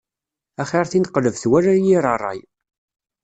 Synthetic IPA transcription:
æχeɾˤθinqləvθwæɾæjiɾˤərˤːɑ̰j

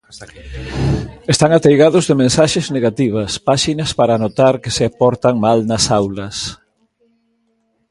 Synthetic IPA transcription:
est̪aŋat̪ejɣaðʊzðemẽnsaʃezneɣat̪iβ̞ɐspaʃinɐspaɾaːnot̪aɾkeseapɔɾt̪aŋmalnɐsawlɐs

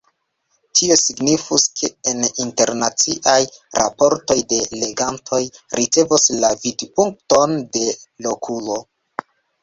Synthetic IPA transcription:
tʰio̞siɡnifuskʰe̞eninte̞ɾnat͡siʔajɾʔa̰po̞ɾto̞jde̞le̞ɡantʰo̞jɾʔit͡se̞vuslavidpuŋk̚tonde̞lo̞kʰulo̞

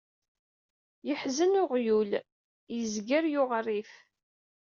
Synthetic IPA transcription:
jəħzənʊʁjul | jəzɡəɾjʊʁrːif

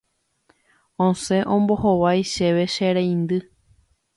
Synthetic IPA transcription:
õsẽ̞ʔõ̞mbohoʋajʃeʋe̞ʃeɾẽj̃nd̪ɨ

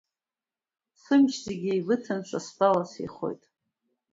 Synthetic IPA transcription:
sɨmʃzeɡʲiilɨtʰant͡ʃʷʰʼasbʼalasḛχo̞̰jtʼ

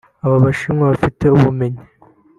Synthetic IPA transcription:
aβaβaʃimŋaβafite̞uβume̞ɲi

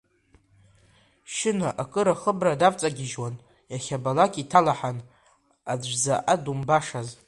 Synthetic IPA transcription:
ʃɪnaʔakʼɨɾaχəbradavʼt͡sʼaɡʲɪʒwan | jaχʲabalakʲʼitʰalaħan | azaʔadumbaʂaz

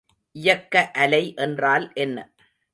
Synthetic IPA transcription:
ʔɪjɐkːɐʔɐlɐɪʔɛndraːlʔɛnːɐ̰

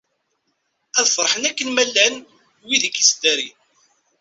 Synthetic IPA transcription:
æðfəɾˤħənækːənmælːæn | wiðikːisd̪æɾi

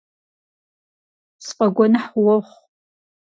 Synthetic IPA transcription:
sqʼɐɡʷɔnɨħwɔχʷ

